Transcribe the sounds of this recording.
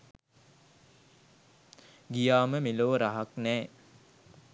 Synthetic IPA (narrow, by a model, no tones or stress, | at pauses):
ɡijaːməmiloːɾaɦaknɛː